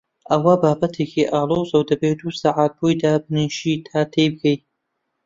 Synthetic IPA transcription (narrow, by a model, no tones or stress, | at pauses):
ʔɐwabaːbɐt̪ʰeːkʰiʔaːlˠoːzɐwd̪ɐbed̪uːsaʕaːt̪̚boːjd̪aːbniʃit̪ʰaːt̪ʰejb̚kʰej